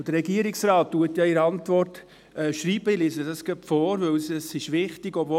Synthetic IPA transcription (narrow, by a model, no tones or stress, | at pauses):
d̥əɾɛɡiəɾɪksɾɑːtːuətjɑiɾɑntʋɔrt | ɛːʃɾiːbəilɪsədɑskœpfɔːɾʋɵwsɛsɪʃʋɪχtɪɡɔbvo